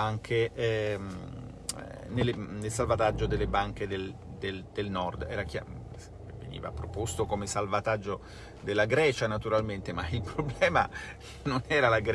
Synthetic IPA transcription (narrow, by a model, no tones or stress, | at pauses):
aŋkʰeɛ | nelːenelsalvat̪ad͡ʒːod̪elːebaŋk̟ed̪eld̪eld̪̥elnɔrd̪ɛ̰ːɾakja̰s | vːḛnḭːva̰pɾopost̪okomesalvat̪ad͡ʒːo | d̪elːaɡɾɛːt͡ʃanat̪uɾalment̪emailpɾoblɛːma | nonɛːɾalaɡɾ